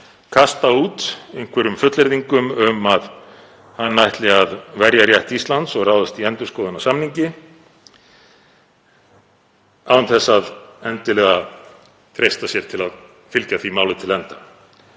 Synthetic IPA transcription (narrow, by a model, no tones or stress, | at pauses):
kʰast̪auːt̪ejŋ̥kʰvɛɾʏmfʏt̪lɛɾðiŋkʏmʏmað | hanːajht̪lɪɣaðvɛɾjaɾrjajht̪ist̪lant̪sɔɣraːwðast̪iɛnt̪ʏɾ̥skɔːðʏnasamniɲcɪ | aːwvʏnθɛsːaðɛnt̪ɪlɛːɣa | θʰɾejst̪asjɛɾ̥t̪ʰɪlað | fɪlcaθimaːwlɪt̪ʰɪlɛnt̪a